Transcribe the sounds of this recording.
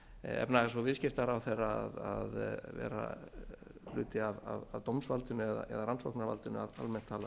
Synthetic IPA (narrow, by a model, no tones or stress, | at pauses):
ɛ̰pnaɣasvɔvɪscɪft̪aɾawθejraaðaðvɛ̰ːɾa̰ | lʏːt̪ɪavavavt̪owmsvalt̪ʏnːʏɛða̰ʔɛ̰ðaɾanso̰hknaɾva̰lt̪ɪnʏaða̰lmɛn̥t̪ʰːaːla